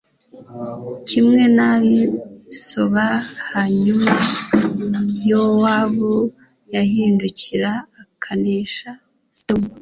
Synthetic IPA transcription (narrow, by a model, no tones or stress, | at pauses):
cʰimŋe̞naβisoβahaɲuma | jowaːβu | jahiːnduciɾaːkʰaniːʃa | tumu